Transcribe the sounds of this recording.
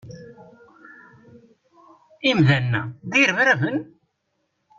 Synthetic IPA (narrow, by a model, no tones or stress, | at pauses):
imðænːæ̰ðiɾəvɾævən